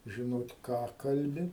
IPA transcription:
ʒʲɪˈnoːt ˈkɑː ˈkɐlʲbʲɪ

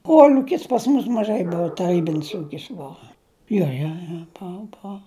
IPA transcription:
ˈkuɔlʲʊkʲɪs pɐs mʊs mɐˈʒɐɪ ˈbʊɐ tɐˈrʲiːbʲɪnʲɪs ˈuːkʲɪs ˈbʊɐ ˈjoː joː joː ˈboːʊ ˈboːʊ

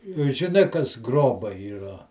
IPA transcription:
ʒʲɪˈnɐɪ kɐs ˈɡroːbɐɪ iːˈrɐ

